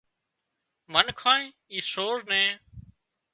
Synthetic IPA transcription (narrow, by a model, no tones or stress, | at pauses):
mənkʰãːẽː | iːsoːɾnẽː